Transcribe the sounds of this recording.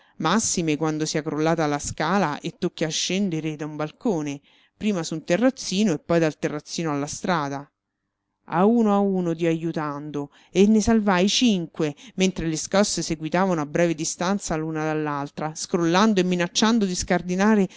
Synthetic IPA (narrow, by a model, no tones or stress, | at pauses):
masːimekwand̪osiakɾolːaːt̪alːaskaːlaʔet̪ːokːiaʃːɛnd̪eɾed̪aumbalkoːne | pɾiːmasunt̪erːat̪sːiːnoepːɔjd̪alt̪erːat̪sːiːnoalːast̪ɾaːd̪a | a̰uːnoauːnot̪̬iajut̪and̪o | enːesalvajt͡ʃiŋkwement̪ɾeleskɔsːeseɡwit̪aːvanoabːɾɛːved̪ist̪ant̪saluːnad̪alːalt̪ɾaskɾolːand̪oemːinat͡ʃːand̪od̪iskard̪inaːɾe